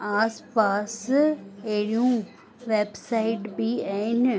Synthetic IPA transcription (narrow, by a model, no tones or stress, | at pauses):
aːspaːs | eɾijũ | ʋeːbsaɪʈbiaɪn